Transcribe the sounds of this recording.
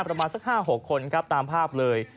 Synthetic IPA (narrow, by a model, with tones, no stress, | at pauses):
pɾa˧maː˧nsa˦˥k̚ɦaː˥˩ɦo˨˩kʰːo˧nkʰɾa˦˥p̚t̪aː˧mpʰaː˥˩p̚lɤː˧j